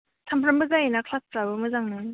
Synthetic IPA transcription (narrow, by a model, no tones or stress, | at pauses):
tʰampʰɾɐmbɯzajenakʰlaspɾabɯmɯzaŋnɯ